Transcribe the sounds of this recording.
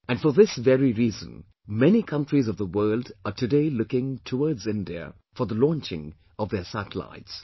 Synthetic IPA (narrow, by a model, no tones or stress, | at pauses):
æ̃nfəðɪsvɛɹiɾiːzə̰̃n | mɛnikʰʌ̃ntɹizʌvðəwɜːldətʰɨdeɪlʊkɪ̃ŋtʰəɔːdzɪ̃ndiə̰ | fəðəlɔ̃nt͡ʃɪ̰̃ŋ | ɔvðəsætəla̰ɪts